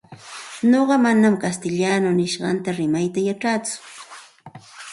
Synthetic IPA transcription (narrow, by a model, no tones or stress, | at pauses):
noɢɑmanamkast̪ɪʎaːnonɪʃɢɑnt̪aɾɪmajt̪ajaʈ͡ʂaːt͡sʊ̥